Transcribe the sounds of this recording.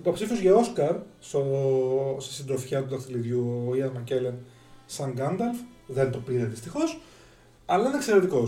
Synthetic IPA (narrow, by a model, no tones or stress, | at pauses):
ipo̞psifio̞zʝɐo̞skɐɾst̪o | st̪i̥sind̪ɾo̞fçɐt̪ut̪ɐθiliðʝuoiɐzmɐce̞len | sɐŋɡɐnd̪ɐlf | ðe̞nt̪o̞piɾeðist̪ixo̞s | ɐlɐinekseɾe̞t̪iko̞